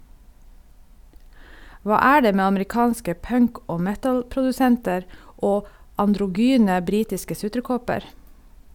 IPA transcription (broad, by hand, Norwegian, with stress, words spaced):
ˈʋɑː ˈæː ˈɖeː ˈmeː ɑməɾɪˈkɑːnskə ˈpœŋk ˈoː ˈmɛtl̩pɾʊdʉˌsɛntəɾ ˈoː ɑndɾʊˈɡyːnə ˈbɾiːtɪskə ˈsʉtɾəˌkɔpəɾ